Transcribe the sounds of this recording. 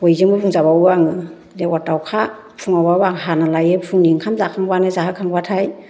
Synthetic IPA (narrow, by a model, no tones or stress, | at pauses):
bojzɯŋbɯpʰuŋzaβawwaŋɯ | dewatawkʰa | pʰuŋawawaŋɦanalajepʰuŋniŋkʰamzakʰaŋbanɯzaɦɯkʰaŋbatʰaj